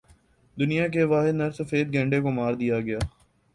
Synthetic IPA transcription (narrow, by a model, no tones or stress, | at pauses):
d̪ʊnijak̬eʋaːɦɪd̪nɐɾsɐfeːd̪̚ɡẽːɳɖekomaːɾd̪ijaɡɐjaː